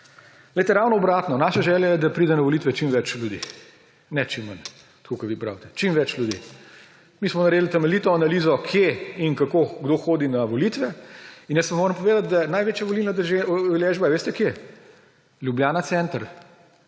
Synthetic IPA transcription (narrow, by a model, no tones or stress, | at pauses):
lɛjt̪ɛɾawnɔɔbɾaːt̪nɔnaːʃaʒɛːljajɛd̪ɐpɾiːd̪ɛnɐʋɔlit̪ʋɛt͡ʃimʋɛt͡ʃlʲjud̪ḭː | nɛt͡ʃimːən | t̪kokɐʋipɾa̰wt̪ɛ̥t͡ʃimʋɛt͡ʃljud̪ḭ | miːsmɔnɐɾeːd̪lt̪ɛmɛlit̪ɔanaliːzɔkʰjeinkakoɡd̪oxoːd̪inaʋɔlit̪ʋɛinjəspɐmoːɾəmpɔʋeːd̪at̪̚d̪anajʋeːt͡ʃjaʋɔlilnɔd̪ɛʒeɔleʒbaɛʋeːst̪ɛkje | lʲjubjaːnat̪sɛnt̪əɾ